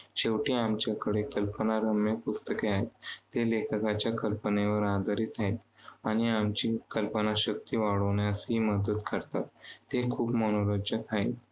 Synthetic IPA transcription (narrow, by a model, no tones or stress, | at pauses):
ɕeʋʈiːamt͡ɕjakəɽekəlpənaɾəmepust̪əkeaɦet̪ːelekʰəkat͡ɕjakəlpəneʋəɾad̪əɾiːt̪ʰaɦit̪ | aɽ̃iamt͡ɕiːkəlpənaɕək̚t̪iːʋaɽoʋɳjasɦiməd̪əd̪kəɾt̪at̪ːekʰuːpmənoɾodd͡ʑət̪ʰaḭt̪